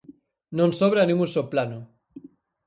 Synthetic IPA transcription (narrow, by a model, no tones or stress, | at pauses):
nonsoβɾanĩmusoplano